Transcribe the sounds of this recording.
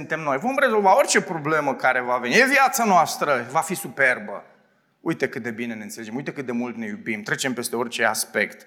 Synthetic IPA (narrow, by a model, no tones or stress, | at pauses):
ɨnt̪e̞mno̞jvo̞mre̞zo̞lvao̞rʲt͡ʃe̞pɾo̞ble̞məkaɾe̞vavenijeviat̪sanoast̪ɾəvafisupe̞rbə̰ | ujit̪e̞kɨt̪̚d̪e̞bine̞neɨnt̪seled͡ʒemujt̪ekɨt̪d̪e̞mult̪ne̞jubimt̪ɾe̞t͡ʃe̞mpe̞st̪e̞o̞rʲt͡ʃe̞a̰spe̞kt̪